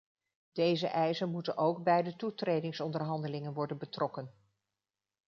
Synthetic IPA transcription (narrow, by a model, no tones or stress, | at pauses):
d̥ejzə̰ʔɛjzənmutənʔowɡbɛjdətutrejdɪŋsɔndərɦɑndəlɪŋənʋɔɹdənbətrʔɔkən